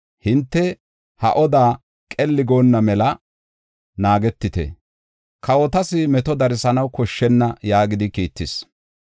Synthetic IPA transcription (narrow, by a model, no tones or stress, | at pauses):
hɪnt̪ːɛ | hɐ̰ʔɔd̪aː | kʼɛlːɪɡo̞ːnːɐmɛlɐ | naːɡɛt̪ːɪt̪ɛ̰ | kɐwɔt̪ɐsɪmɛt̪ɔd̪ɐɾɪsɐnɐwkɔʃːɛnːɐjaːɡɪd̪ɪkiːt̪ːɪs